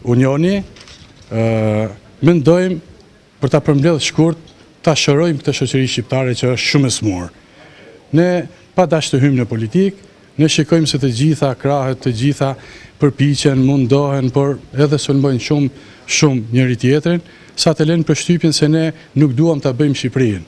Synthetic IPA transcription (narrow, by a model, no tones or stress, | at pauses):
uɲɔni | mɛnd̪ɔjm | pəɾt̪apəɾmblɛðʃkuɾt̪̚ː | aʃɔɾɔjmkt̪əʃɔt͡ɕəɾiʃt͡ɕip̚t̪aɾɛt͡ɕəəʃt̪ʃuməsmuɾ | nɛ | pad̪aʃt̪əɦymnəpɔlit̪ik | nɛʃikɔjmsɛt̪əd͡ʑiθakɾaɦɛt̪ʰːəd͡ʑiθapəɾpit͡ɕɛnmund̪ɔɦɛnpɔɾɛðɛsɔlmbɔjnʃum | ʃumɲəɾit̪jɛt̪ɾin | sat̪ɛlɛjnpəɾʃt̪ypjənsɛnɛ | nuk̚d̪uamt̪abəjmʃipɾin